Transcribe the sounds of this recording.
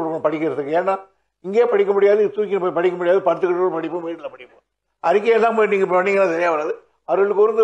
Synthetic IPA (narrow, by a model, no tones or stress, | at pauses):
pɐɽɪkːɪɾɐðɯkːɯeːnːaː | ɪŋɡeːpɐɽɪkːɐmʊɽɪjaːðɯt̪uːkːɪnɐpɐɽɪkːɐmʊɽɪjaːðɯpɐɾɯt̪ːɯkːʈːoːɽpɐɽɪpːɯ̃ʋeːʈɪlɐpɐɽɪpːɯ̃ | ɐɾɪkːɐjɛlːãːmːniːŋɡɐpʋɐnːɪŋɡɐnãːt̪ɛɾɪjaːʋɐɾaːðɯ | ɐɾɯɭɯkːɾɯnd̪ɯ